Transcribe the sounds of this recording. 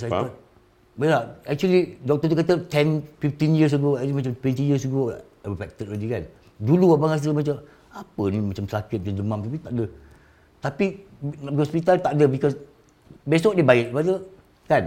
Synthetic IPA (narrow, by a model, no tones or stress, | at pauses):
sajkɔ | bɛlaɛk̚t͡ʃuəlidɔk̚t̪ɔt̪ukat̪ət̪ɛnfift̪injəs̬əɡok̚t͡ʃlimat͡ʃamt̪wɛnt̪ijəs̬əɡo | wəfɛk̚t̪ət̪̚ɹedikan | duluapaŋas̬əmãt͡ʃam | apənĩmat͡ʃamsakɪt̪̚d͡ʒand͡ʒəmãmt̪apit̪aʔdə | t̪apiihɔspit̪alt̪aʔdəbikɔs | besɔk̚debaɪʔ̚padə | kan